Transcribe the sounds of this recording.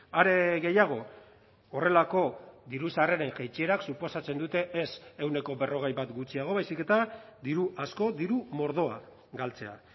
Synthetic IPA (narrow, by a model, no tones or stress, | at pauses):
aɾe̞ɣe̞jaɣ̞o̞ | ore̞lako̞ðiɾusareɾe̞ŋʝejt͡ʃie̞ɾaksupo̞sat͡se̞nd̪ut̪e̞ʔesewne̞ko̞be̞ro̞ɣ̞ejβat̪ɡut͡siaɣ̞o̞βajsike̞t̪ad̪iɾuʔasko̞d̪iɾumo̞ɾðo̞a | ɡalt͡se̞a̰